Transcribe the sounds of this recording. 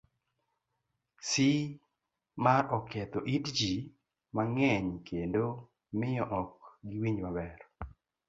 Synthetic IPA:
si | maɾɔkɛt̪oʔidd͡ʒi | maŋɛɲkʰendo | mɪjɔʔɔkɡɪwiɲmabɛɾ

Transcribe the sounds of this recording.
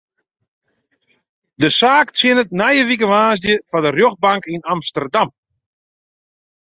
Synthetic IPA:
dəsaːksɪnət̚najəʋik̬əʋaːsdjəfadərjoxbaŋkinamstərdam

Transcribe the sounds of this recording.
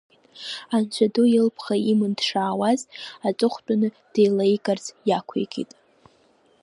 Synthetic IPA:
ant͡ɕʷʰadujɪlpʰχaimɨndʂaːwazat͡sʷʼʊχʷt͡pʼanɨ | d̥ejlajkʼart͡sjakʷʰḛjɡʼḭtʼ

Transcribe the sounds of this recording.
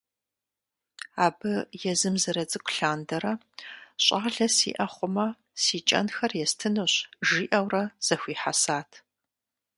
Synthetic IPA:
aːbɨjɛzɨmzɐɾɐt͡sʼɨkʷʰʼɬaːndɐɾɐ | ɕʼaːɮɐsḭːʔɐχʷʊmɐ | siːt͡ʃʼɐ̰nxɐrjɛstʰɨnoɕʒiːʔɐwrɐz̥ɐxʷiːħasaːtʰ

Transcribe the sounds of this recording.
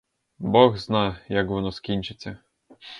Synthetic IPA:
bɔɣznɑjjɐkʋɔnɔskʲinʲt͡ʃɪt͡sʲːɐ

